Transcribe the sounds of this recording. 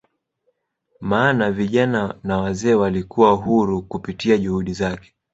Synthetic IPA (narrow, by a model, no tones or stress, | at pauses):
maːnaviʄananawazɛːwalikʰuwaɦuɾukupitiaʄuhuɗizakɛ̥